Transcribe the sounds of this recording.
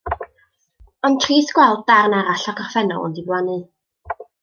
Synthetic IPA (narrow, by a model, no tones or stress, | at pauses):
ɔntʰriːsɡ̥wɛlˠd̚darnaɾaɬakʰɔrfɛnɔ̰lˠɔ̰ndiblˠanɨ